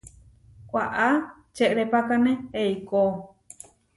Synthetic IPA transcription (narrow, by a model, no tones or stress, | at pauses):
kʷaʔa | t͡ʃeʔɾepakanẽeiko